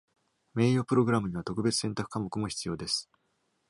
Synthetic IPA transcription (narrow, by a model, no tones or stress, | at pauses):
me̞ːjo̞ːpɯ̟ɾo̞ɡɯɾamɯ̟ɲ̟iβat̪o̞kɯ̟be̞t͡sɨ̥sẽ̞nt̪akɯ̟̥kamokɯ̟mo̞çi̥t͡sɨjo̞ːd̪e̞sɨ̥